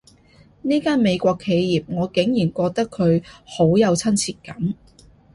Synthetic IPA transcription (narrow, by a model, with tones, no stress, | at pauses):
niː˥kaː˥nme˨˧jkʷɔː˧kʰːe˨˧jjiː˨p̚ŋɔː˨˧kɪ˨˥ŋjiː˨˩nkʷɔː˧k̚t̪ɐ˥kʰːɵ˨˧ɥho˨˥wjɐ˨˧wt͡sʰɐ˥nt͡sʰiː˧t̚kɐ˨˥m